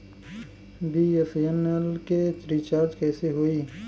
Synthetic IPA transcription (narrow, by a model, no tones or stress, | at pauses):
biːefenelket̪ɾiːt͡ʃaːɾd͡ʒkɛːseɦoiː